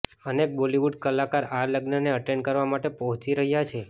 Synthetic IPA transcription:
ənek̚boliʋuɖkəlakaɾaɾləɡnəneəʈeɳkəɾʋamaʈepəɦɔ̃t͡ʃiɾəɦjat͡ʃʰe

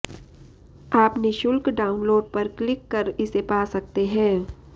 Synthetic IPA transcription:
aːpniʃʊlkɖaːʊnloːɖ̚pɐɾklɪkːɐɾɪsepaːsɐk̚t̪eɦɛ̃ː

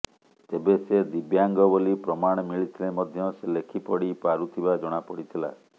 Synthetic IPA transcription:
t̪ebesed̪ibjaŋɡɔbolipɾɔmaɽ̃ɔmiɭit̪ʰilemɔd̪ʱjɔselekʰipɔɽipaɾut̪ʰibad͡ʒɔɽ̃apɔɽit̪ʰila̰

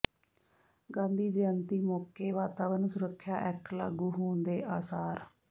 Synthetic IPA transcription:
ɡãːnd̪iːd͡ʒejənt̪iːmoːkeːʋaːt̪aːʋəɾnsʊɾəkʰːjaːʔɛkla̰ːɡuːɦoːnd̪eːʔaːsaːɾ

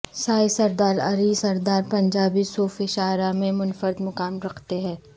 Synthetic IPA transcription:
saːisɐɾd̪aːlɐɾiːsɐɾd̪aːɾpɐ̃ɲd͡ʒaːbisoːfɪʃaːɾamẽmʊnfəɾɪd̪mʊkaːmɾɐkʰt̪eɦɛ̃ː

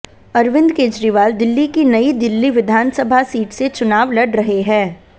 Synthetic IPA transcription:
ɐɾʋɪ̃nd̪keːd͡ʒɾiʋaːld̪ɪlːikinɐid̪ɪlːiʋɪd̪ʱaːnsəbʱasiːʈset͡ʃʊnaːʋlɐɖɾɐɦeɦɛ̃ː

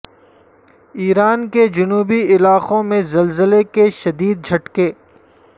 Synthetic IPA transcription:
iːɾaːnked͡ʒʊnuːbiɪlaːqõmẽzɐlzəlekeʃɐd̪iːd̪̚d͡ʒʱɐʈkeː

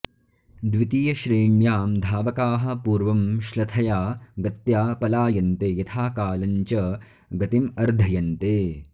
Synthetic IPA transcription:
d̪ʋit̪iːjɐʃɾiːɳjaːmd̪ʱaːʋɐkaːɦɐ̆puːɾʋɐmʃlɐt̪ʰɐjaːɡɐt̪jaːpɐlaːjɐnt̪eːjɐt̪ʰaːkaːlɐɲt͡ʃɐ | ɡɐt̪imɐɾd̪ʱɐjɐnt̪eː

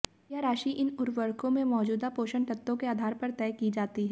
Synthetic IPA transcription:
jaɾaːʃiʔɪnʊɾʋəɾkõmẽmɔːd͡ʒuːd̪apoːʃəɳt̪ɐt̪ːõkeaːd̪ʱaːɾpɐɾt̪ɛːkid͡ʒaːt̪iɦɛ

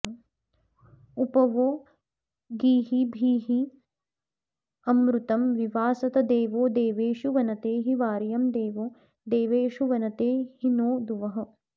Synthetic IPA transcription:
upɐʋoː | ɡiːɦibʱiːɦi | ɐmɾut̪ɐmʋiʋaːsɐt̪ɐd̪eːʋoːd̪eːʋeːʃuʋɐnɐt̪eːɦiʋaːɾjɐmd̪eːʋoː | d̪eːʋeːʃuʋɐnɐt̪eːɦinoːd̪uʋɐɦɐ̆

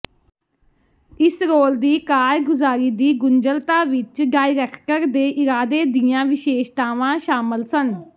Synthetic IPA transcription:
ɪsɾoːld̪iːkaːɾɡʊzaːɾiːd̪iːɡʊnd͡ʒəlt̪aːʋɪt͡ʃɖaːiɾɛːkʰʈəɾd̪eːʔɪɾaːd̪eːd̪iːãːʋɪʃeːʃt̪aːʋãːʃaːməlsən

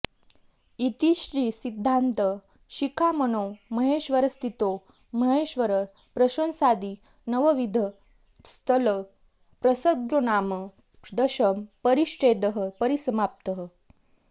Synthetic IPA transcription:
it̪iɕɾiːsid̪ʱːant̪ə | ɕikʰamənoməɦeːʃʋəɾəst̪it̪o | məɦeɕʋəɾə | pɾəɕə̃nsad̪iː | nəʋəʋid̪ʱə | st̪ʰələ | pɾəsəɡɾonaːmə | d̪əɕəmpəɾiɕɾeːd̪əɦəpəɾisəmap̚t̪əɦə

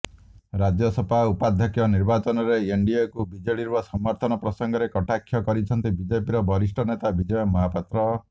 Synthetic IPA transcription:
ɾad͡ʒjɔsɔpʰaupad̪ʱjɔkjɔniɾbat͡ʃɔnɔɾeeɳɖiekubid͡ʒɔɭiɾbasɔmɔɾt̪ʰɔnɔpɾɔsɔŋɡɔɾekɔʈakʰːjɔkɔɾit͡ʃʰɔnt̪ibid͡ʒepiɾɔbʱɔɾisʈʰɔnet̪abid͡ʒɔjɔmɔɦapat̪ɾɔ

